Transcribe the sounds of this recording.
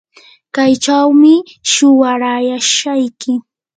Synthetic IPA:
kajt͡ʃawmɪ | ʃʊwaɾajaʃajkɪ

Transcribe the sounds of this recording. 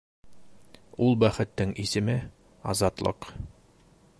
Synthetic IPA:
ulˠbæχɘ̆t̪ːɘŋʔisɘ̆mɘ | ɑzɑt̪lˠɤ̰q

